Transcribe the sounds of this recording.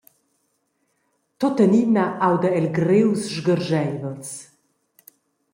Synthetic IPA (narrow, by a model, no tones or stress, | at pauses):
t̪ot̪əninaʔawd̪aɛlɡɾewsʒɡəɾʒɛjvəls